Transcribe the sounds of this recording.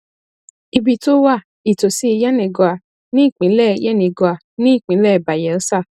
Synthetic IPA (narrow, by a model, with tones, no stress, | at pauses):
i˧bi˨to˦wa˦˨ | i˨to˨si˨˦i˧jɛ˦nĩ˨ɡɔ˨a˨ | nĩ˦i˦˨k͡pĩ˨˦lɛ˦˨˧jɛ˦˨nĩ˨ɡɔ˨a˨ | nĩ˦i˦˨k͡pĩ˨˦lɛ˦˨ba˨jɛ˨˦ɔ˦sa˦˨